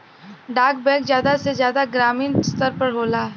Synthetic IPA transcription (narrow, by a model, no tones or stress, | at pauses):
ɖaːkbɛ̃ːkzjaːd̪asezjaːd̪aɡɾaːmĩːnst̪əɾpəɾɦoːlaː